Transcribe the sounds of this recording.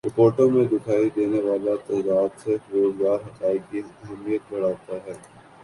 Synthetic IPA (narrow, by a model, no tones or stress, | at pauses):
ɾɪpoːɾʈõmẽd̪ɪkʰaːid̪eːneʋaːlat̪ɛːd̪aːd̪seɾoːzɡaːɾɦɐqaːikiɦɛmijət̪̚bɐɽ̤aːt̪aɦɛː